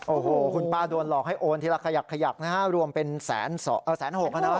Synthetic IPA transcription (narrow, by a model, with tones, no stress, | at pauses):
ʔoː˧˩hoː˧˩kʰu˧npaː˥˩du˧ənlɔː˨˩k̚ha˥˩jʔoː˧nt̪ʰiː˥ɾa˦˥kʰa˧jaː˨˩kʰːa˧ja˨˩k̚naː˦˥ka˦˥˩ɾu˧əmpe˧nsɛ̰ː˩˦nsɔ˨˦ʔɤː˧˩sɛː˨˦nho˨˩k̚kaː˧˥˩na˦˥˦